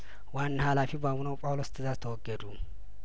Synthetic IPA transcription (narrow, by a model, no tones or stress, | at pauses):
wanːhalafibamunəwpʼawlost̪ʰɨzazt̪ʰəwɔɡːəd̪u